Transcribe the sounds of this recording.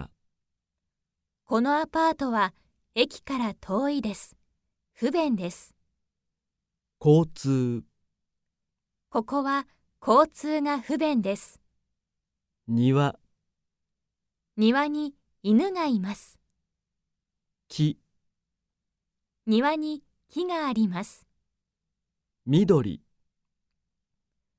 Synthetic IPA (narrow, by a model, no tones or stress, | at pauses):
ko̞no̞apaːt̪o̞βa | e̞kʲi̥kaɾat̪ʰo̞ːid̪e̞sɨ̥ | ɸɯ̟bẽ̞nd̪e̞sɨ̥ | ko̞ːt͡sɨː | ko̞ko̞βa | kʰo̞ːt͡sɨːŋaɸɯ̟bẽ̞nd̪e̞sɨ̥ | ɲiβa | ɲ̟iβaɲ̟i | inɯ̟ŋaimasɨ̥ | kʲʰi | ɲ̟iβaɲ̟i | kʲiɡaːɾʲimasɨ̥ | mʲid̪o̞ɾʲḭ